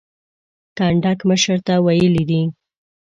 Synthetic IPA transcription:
kɑɳɖakməʃəɾt̪awajəlid̪i

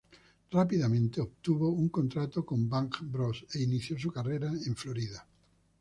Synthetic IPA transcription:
rapiðamẽnt̪eoβ̚t̪uβouŋkõnt̪ɾat̪okõmbaŋkbɾoseiniθjosukareɾaẽɱfloɾiða

